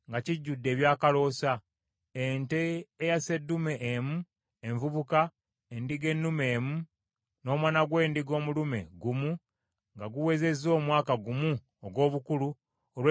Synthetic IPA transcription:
ŋɡaciɟːudːe̞ːβjaːkalo̞sa | enteːjase̞dːume̞ʔːmu | eɱvuβuka | endiɡe̞nːume̞ːmu | no̞ːmwaːnaɡwe̞ːndiɡo̞ːmulume̞̰ɡumu | ŋɡaɡuwe̞ze̞zo̞ːmwaːkaɡumu | oɡwo̞ːβukulu | olwe

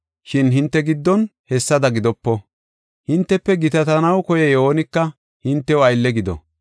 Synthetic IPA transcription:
ʃɪnɦɪnt̪ːɛɡɪd̪ːɔnhɛsːɐd̪ɐɡɪd̪ɔpːɔ | hɪnt̪ːɛpːɛɡɪt̪ɐt̪ɐnɐwkɔjɛjoːnɪkːɐ | hɪnt̪ːɛwɐjlːɛɡɪd̪ɔ̰

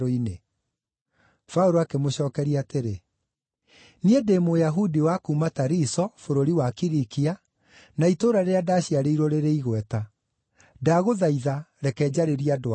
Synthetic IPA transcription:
ɾoine | fauɾoakemoɕɔːkɛɾiaːteɾe | niedemojaɦudiwakuːmataɾisɔfoɾoɾiwakiɾikia | naitoːɾaɾeadaɕiaɾeiɾoɾeɾeiɣwɛta | daɣoðaiðaɾɛkɛːd͡ʑaɾeɾiado

